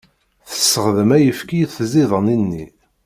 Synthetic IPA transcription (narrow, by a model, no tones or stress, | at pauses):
θə̥sːəʁðəmæjəfkijθziðˤəninːi